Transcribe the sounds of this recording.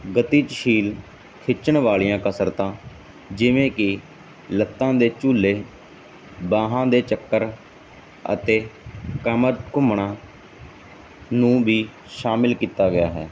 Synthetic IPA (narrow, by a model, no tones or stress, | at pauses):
ɡət̪iːt͡ʃʃʰiːl | kʰɪt͡ʃəɳʋaːɭijãːkəsəɾt̪ãː | d͡ʒɪʋẽːkɪ | lət̪ːãːd̪eːt͡ʃuːlːeː | bãːɦãːd̪eːt͡ʃəkːəɾ | ə̰t̪eːkəməɾkʊmɳãː | nũːbiː | ʃaːmɪlkiːt̪aːɡɪjaːɦɛː